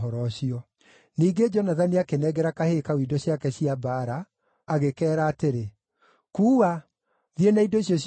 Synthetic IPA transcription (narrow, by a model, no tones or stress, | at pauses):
ɔɾɔɕiɔ | niːɡed͡ʒɔnaðaniakenɛɣɛɾakahekawidɔɕjakɛɕiabaɾaː | ɣekɛːɾaːteɾe | kuːwa | ðienaidoiɕjɔɕ